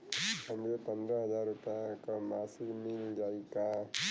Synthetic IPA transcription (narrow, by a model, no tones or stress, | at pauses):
əmɾepɐ̃nd̪ɾaɦɐzaːɾːʊpjãkamaːsɪlmind͡ʒaːika